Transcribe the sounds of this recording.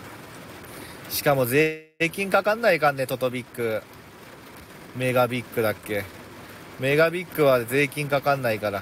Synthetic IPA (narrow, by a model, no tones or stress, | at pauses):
ɕi̥kamo̞ze̞ː | kʲĩŋkakãnːaikãnːe̞t̪o̞t̪o̞bʲikːɯ̟ | me̞ɡabʲikːɯ̟d̪akːe̞ | me̞ɡabʲikːɯ̟βaze̞ːkʲĩŋkakãnːaikaɾa